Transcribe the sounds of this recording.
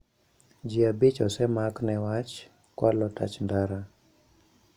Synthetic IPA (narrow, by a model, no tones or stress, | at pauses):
d͡ʒiabɪt͡ʃɔsɛmaknɛwat͡ʃ | kwalɔta̰t͡ʃndaɾa